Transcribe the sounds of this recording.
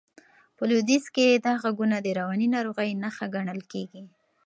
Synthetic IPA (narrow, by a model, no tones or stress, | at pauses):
pəlud̪isked̪ɑɣaɡunad̪əɾawɑninɑɾoɣəjnaxaɡaɳəlkeɡi